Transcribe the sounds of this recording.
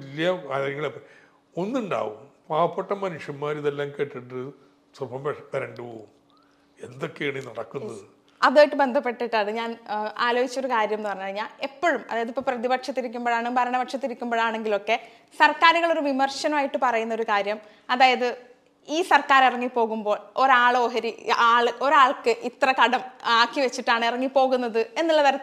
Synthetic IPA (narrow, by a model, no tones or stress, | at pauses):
ɐlːijɐkaːɾjɐŋːɡɐɭepːɐ | onːuɳɖa̰ːʋumpaːʋɐpːeʈːɐmɐnuʂjɐmmaːɾiðelːaːŋke̞ːʈːiʈːɨ | srubʰʱɐmpɐɾɐɳɖɨpo̰ːum | end̪o̞kːejaːɳinɐɽɐkːunːɐðɨ | ɐðaːjiʈːɨbe̞nd̪ʱɐpːe̞ʈːiʈːaːɳɨɲaːnaːloːɡit͡ɕːoɾukaːɾjɐmenːɨpɐrɐɲːpɐɻiɲːaːle̞pːo̞ɻumɐ̰ðaːjɐðipːoːprɐðibɐkʂɐt̪ːiɾikʲːumboːɭaːɳmbɐɾɐɳɐbɐʈʂɐt̪ːiɾikʲːumboːɭaːɳe̞ŋɡilo̞kːe̞ | sɐrkaːɾuɣɐɭo̞ɾuʋimɐrʂɐnɐmaːjiʈːɨpɐrɐjunːɐo̞ɾukaːɾjɐm | ɐðaːjɐðɨ | iːsɐrkaːɾirɐŋːipːo̞ːɣumbo̞ːɭo̞ɾaːɭoːɦɐɾiaːɭɨʔo̞ɾaːɭkɨʔit̪rɐkɐɽɐmaːkːiʋet͡ɕːiʈːaːɳɨirɐŋːipo̞ːɣunːɐðɨe̞nːuɭːɐʋɐɾɐ